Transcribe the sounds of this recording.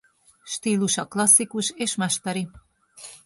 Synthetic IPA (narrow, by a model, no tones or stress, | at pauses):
ʃt̪iluʃɑklɑsːikuʃeʃmɑʃt̪ɑɾi